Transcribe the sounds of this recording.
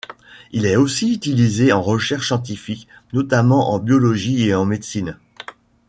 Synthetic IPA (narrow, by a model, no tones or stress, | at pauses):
ilɛosiyt̪ilizeɑ̃ʁəʃɛʁʃsjɑ̃t̪̬ifiknɔt̪amɑ̃ʔɑ̃bjɔlɔʒieɑ̃med̪sin